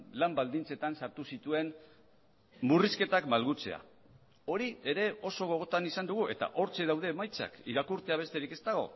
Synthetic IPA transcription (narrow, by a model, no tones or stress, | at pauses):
lambald̪int͡se̞t̪ansaɾt̪usit̪ue̞n | muriske̞t̪akmalɣut͡se̞̰a̰ | o̞ɾie̞ɾe̞o̞so̞ɣ̞o̞ɣ̞o̞t̪anisand̪uɣuʔe̞̰t̪a̰ʔo̞ɾt͡seðawð̞e̞ːmajt͡sa̰kiɾakuɾt̪e̞aβe̞st̪e̞ɾike̞st̪aɣ̞o̞̰